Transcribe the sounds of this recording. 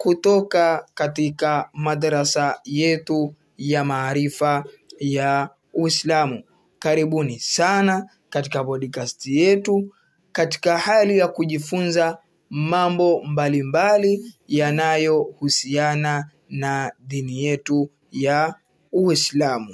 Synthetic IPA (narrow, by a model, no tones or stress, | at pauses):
kutɔkakatikamaðaɾasajɛtu | jamaːɾifaja | wislamu | kaɾiɓunisana | katikapɔɗikastijɛtu | kati̥kahalijakuʄifunza | mambɔmbalimbalijanajɔhusiana | naðinijɛtu | ja | uislamu